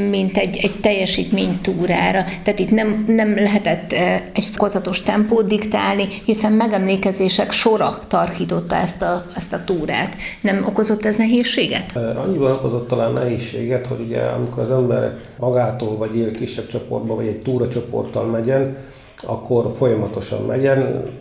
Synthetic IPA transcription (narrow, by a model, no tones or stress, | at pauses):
mint̪ɛɟɛɟt̪ɛjːɛʃiːt̪meːɲt̪uːɾaːɾɒt̪aːt̪it̪nɛmnɛmlɛɦɛt̪ɛt̪ːɛcfokozɒt̪o̞ʃt̪ɛmpoːd̪̚d̪ikt̪aːlnihisɛmːmɛɡɛmleːkɛzeːʃɛkʃo̞ɾɒt̪ɒrkiːt̪o̞t̪ːɒɛst̪ɒɛst̪ɒt̪uːɾa̰ːt̪nɛmoko̞zo̞t̪ːɛznɛɦeːʃːeːɡɛt̪ɒɲːibɒno̞ko̞zot̪ːɒlaːnːʔɛɦeːʃːḛːɡɛt̪ho̞ɟuɟɛ̰ɒ̰mikoɾɒzɛmbɛɾɛ̰k | mɒɡaːt̪oːlvɒɟeːlkiʃːɛb̚t͡ʃopo̞̰rd̪bɒvɒɟɛɟ̚t̪uːɾɒt͡ʃopo̞̰rt̪ːɒlmɛɟɛn | ɒ̰kʰːo̞rfo̞jɒmɒt̪o̞ʃɒ̰mmʔɛɟɛn